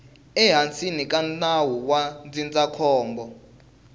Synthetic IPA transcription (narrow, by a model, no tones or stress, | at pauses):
ɛɦant͡sinikʼanawuwand͡zind͡zakʰɔːmbɔ